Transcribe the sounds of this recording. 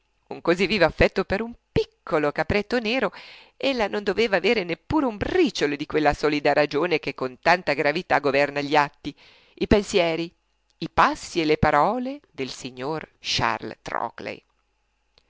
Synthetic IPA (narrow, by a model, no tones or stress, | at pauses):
uŋkozivːiːvoafːɛt̪ːopeɾumpikʰːolokapɾɛt̪ːoneːɾo | elːanond̪oveːvaːveːɾenepːuːɾeumbriːt͡ʃold̪ikwelːasɔːlid̪aɾad͡ʒoːnekekːont̪ant̪aɡɾavit̪aɡovɛrnaʎiat̪ːi | ipensjɛːɾi | ipasːielepaɾɔːled̪elsiɲːorʃa̰rlt̪ɾɔ̰klḛj